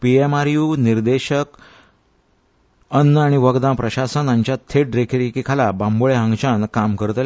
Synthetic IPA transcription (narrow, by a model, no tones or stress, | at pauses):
piemaɾjuːniɾd̪eɕək | ənːəaɽ̃iʋəɡd̪ãpɾəɕasənaɲt͡ɕjat̪ʰeʈ̚ɾekʰɾikikʰalabãmboɭeɦãŋɡt͡ɕankamkəɾt̪l